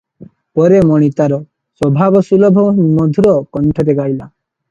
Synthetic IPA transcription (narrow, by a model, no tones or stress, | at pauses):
pɔɾemɔɽ̃it̪aɾɔ | swɔbʱabɔsulɔbʱɔmɔd̪ʱuɾɔkɔɳʈʰɔɾeɡaila